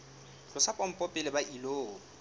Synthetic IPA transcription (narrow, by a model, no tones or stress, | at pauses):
lʊsapʼɔm̩pʼɔpʼɪlɪbaʔiloː